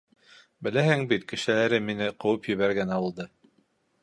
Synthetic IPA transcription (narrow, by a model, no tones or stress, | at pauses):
bɘ̆læhɘŋbit̪kɘ̆ʃɘ̆læɾɘminɘqɤ̆wɤpjɘ̆βæɾɡænɑwɤ̆lˠd̪ɤ